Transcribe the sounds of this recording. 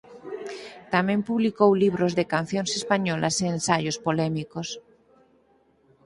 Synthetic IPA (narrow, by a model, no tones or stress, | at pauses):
t̪amẽmpuβlikowliβɾozðekanθjonsespaɲola̰sẽːnsaʝospolemikos